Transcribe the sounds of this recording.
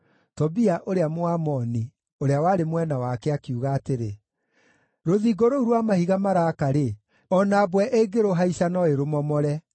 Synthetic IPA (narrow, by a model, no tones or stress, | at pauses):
tɔbiaʔoɾeamoamɔni | oɾeawaːɾemwɛnawakɛakiuɣaːteɾe | ɾoðiɡoɾouɾwamahiɣamaɾaːkaɾe | ɔnaːbwɛʔeɡeɾoɦaisanɔeɾomɔmɔɾɛ